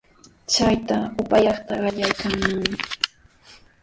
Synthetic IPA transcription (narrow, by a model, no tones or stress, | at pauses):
t͡ʃajt̪aʊpajɑχt̪aɢɑʎajkaŋmaŋɪ